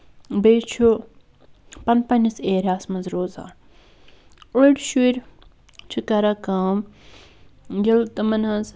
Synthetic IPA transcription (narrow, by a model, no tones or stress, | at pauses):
beːt͡ʃʰu | pɐnpɐnʲɐseːɾʲaːsmɐnzɾoːza̰ːn | ʊɽʲʃuɾ | t͡ʃʰikɐɾakaːm | ɡilt̪ɐmɐnaz